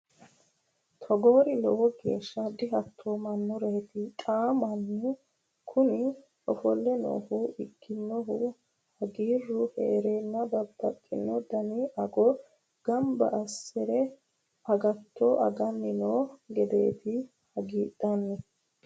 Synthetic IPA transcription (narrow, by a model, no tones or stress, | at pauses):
t̪ʰɔɡoːɾɪlɔwɔɡe̞̰ːʃːɐd̪ɪɦɐt̪ʰːoːmɐnːʊɾeːt̪ɪt̪ʼaːmɐnːɛ | kʰʊnɪ | ɔfɔlːɛno̰ːhʊɪɡːɪnːɔɦʊ | hɐɡiːrːʊheːɾenːɐbɐbːɐt̪ʼːɪnːɔd̪ɐnɪʔɐɡɔ | ɡ̥ɐmbɐ̰ʔɐsɛɾɛ | ɐɡɐt̪ːɔʔɐ̰ɡɐnːɪnoːɡɛd̪eːt̪ɪ | hɐɡiːd̪ɐnːɛ